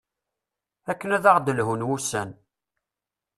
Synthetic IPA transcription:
ækːənæðaʁd̪əlɦunwusːæn

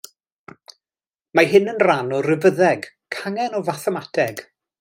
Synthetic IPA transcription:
maɦɪnənranɔrɪvəðɛɡ | kʰaŋɛnɔvaθɛmatʰɛɡ̥

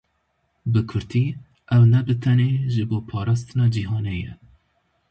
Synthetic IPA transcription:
bɨkʰʊɾt̪ʰiː | ʔɛwnɛbɨt̪ʰɛneːʒɨboːpʰɑːɾɑːst̪ɨnɑːd͡ʒiɦɑːnejɛ̰

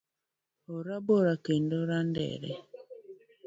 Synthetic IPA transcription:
oɾaboɾakendoɾandɛ̰ɾɛ̰

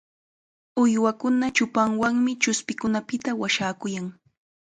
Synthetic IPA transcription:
ʊjwakʊnat͡ʃʊpaŋwaŋmɪt͡ʃʊspɪkʊnapɪt̪awaʃaːkʊjaŋ

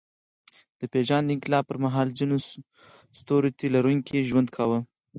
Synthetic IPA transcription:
d̪̥əpeʒand̪əɪŋkɪlɑb̚pːəɾmaɦɑlzino | st̪oɾet̪elaɾuŋkiʒwand̪kʰɑwə

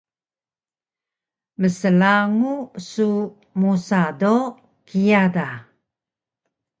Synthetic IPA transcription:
məsəlaŋusu | musado | kijada

